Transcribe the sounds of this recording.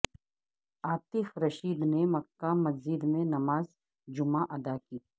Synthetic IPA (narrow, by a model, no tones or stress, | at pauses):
aːt̪ɪfɾɐʃiːd̪nemɐkːamɐzɪd̪mẽnɐmaːz | d͡ʒʊmaʔɐd̪akiː